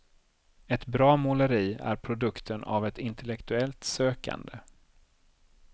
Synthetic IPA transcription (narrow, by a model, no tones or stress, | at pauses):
ɛt̪bɾɑːmʊləɾiːæ̰ɾpʰɾʊd̪ɵkt̪ʰəna̰vɛt̪ɪnt̪ʰɛlɛkt̪ɵɛlt̪søːka̰nd̪ə